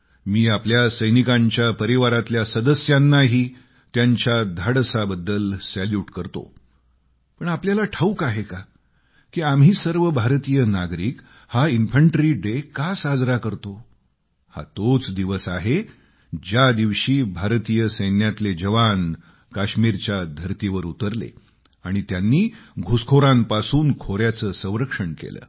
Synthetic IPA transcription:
miːapljasəjnikãɲt͡ɕjapəɾiʋaɾat̪ljasəd̪əsjanːaɦiː | t̪jaɲt͡ɕad̪ʱaɽsabəd̪ːəlsɛljuːʈkəɾt̪o̰ | pəɳapljalaʈʰəukaɦeka | kiːamɦiːsəɾʋəbʱaɾt̪ijənaɡɾiːk | hainfəɳʈɾiɖekasad͡zɾakəɾt̪o | ha̰t̪ot͡sd̪iʋəsaɦe | d͡ʑjad̪iʋɕiːbʱaɾt̪iːjəsəjnjat̪led͡ʑəʋan | kaɕmiɾt͡ɕjad̪ʱəɾt̪iʋəɾut̪əɾlḛ | aɽ̃it̪janːiːɡʱuskʰoɾãmpasuːnkʰoɾjat͡səːsə̃w̃ɾəkʂəɳkḛlə̰ː

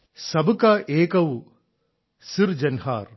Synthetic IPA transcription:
sɐbɐkɐʔeːkɐw | siɾd͡ʒɐnhaːɾ

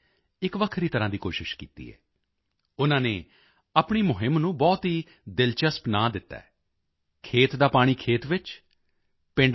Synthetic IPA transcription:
ɪkʋəkʰɾiːt̪əɾãːd̪iːkoːʃɪʃkḭːt̪ḭːɦɛ̰ː | ʊnãːneː | aːpɳiːmʊɦɪmnũːbɔːt̪ɦiː | d̪ɪlt͡ʃəspnaːd̪ɪt̪ːa̰ːɛː | kʰeːt̪d̪aːpaːɽ̃iːkʰeːt̪ʋɪt͡ʃ | pɪ̃ɳɖ

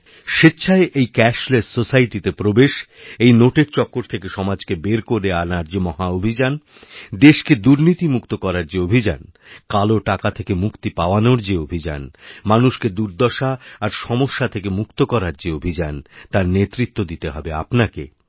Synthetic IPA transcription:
ʃetːɕʰaeʔejkɛʃlessosaiʈit̪epɾobeʃ | ejnoʈeɾt͡ɕɔkːoɾt̪ʰekeʃɔmad͡ʑkebeɾkoɾeanaɾd͡ʑemɔɦaobʱid͡ʑan | d̪eʃked̪uɾnit̪imukt̪okɔɾaɾd͡ʑeobʱid͡ʑa̰nkaloʈakat̪ʰekemukt̪ipaoanoɾd͡ʑeobʱid͡ʑa̰nmanuʃked̪uɾd̪ɔʃaːɾʃɔmoʃːat̪ʰekemukt̪okɔɾaɾd͡ʑeobʱid͡ʑant̪aɾnet̪ɾit̪ːod̪it̪eɦɔbea̰pnakḛ

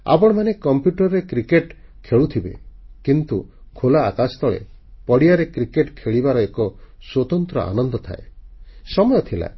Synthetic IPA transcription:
a̰bɔɽ̃ɔmanekɔmpjuʈɔɾːekɾikeʈkʰeɭut̪ʰibḛkint̪u | kʰolaːkast̪ɔɭḛpɔɽijaɾekɾikeʈkʰeɭibaɾɔekɔswot̪ɔnt̪ɾɔ̰ʔa̰nɔnd̪ɔt̪ʰa̰esɔmɔjɔt̪ʰila̰

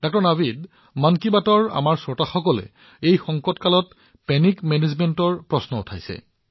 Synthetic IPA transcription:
d̥ɔk̚tɔɹnabid | mankibatɔɹa̰maɹsɔɹtaxɔkɔlɛ̰ | ejxɔŋkɔtkalɔt | pɛnikmɛnezmɛntɔɹpɹɔsnɔʊtʰajsɛ̰

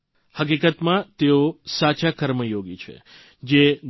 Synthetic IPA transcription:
hək̬ikət̪mãt̪eosat͡ʃakəɾməjoɡit͡ʃʰḛ | d͡ʒe

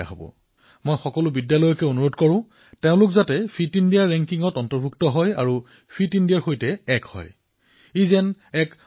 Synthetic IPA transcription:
a̰ɦobɔ̰ | mɔjxɔkɔlʊbidjalɔjɔkɛonuɹodkɔɹʊ̃ | teʊ̃lʊkzatɛpʰitindiaɹɹɛŋkiŋɔtɔntɔɹbʱuktɔɦɔja̰ɹu | pʰɹitindijaɹxojtɛɛkhɔ̰j | izɛnɛk

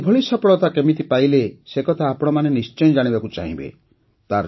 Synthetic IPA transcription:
bʱɔɭisɔpɔɽɔt̪akemit̪ipailesekɔt̪ʰaːpɔɽ̃ɔmanenist͡ʃɔjɔd͡ʒaɽ̃ibakut͡ʃa̰ɦḭ̃bḛ | t̪aɾ

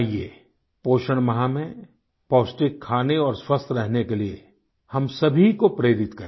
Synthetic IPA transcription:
iḛ | poːʃəɽ̃mɐɦãmẽ | pɔːsʈɪkʰːaːneɔːɾswɐst̪ʰɾɛɦnekelie | hɐmsɐbʱikopɾeːɾɪt̪kɐɾ

